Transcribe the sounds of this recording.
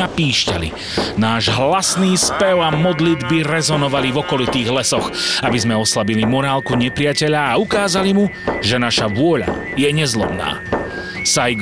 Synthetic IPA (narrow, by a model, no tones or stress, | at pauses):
apiːʃca̰lḭ | naːʒɦlasniːspɛʊamɔd̪lid̪biɾɛzɔnɔʋalivɔkɔlit̪iːɣlɛsɔɣabizmɛɔslabilimɔɾaːlkuɲɛpɾɪacɛʎaːukaːzalimuʒɛnaʃaʋʊɔʎa̰ | jɛɲɛzlɔmna̰ː | sajɡ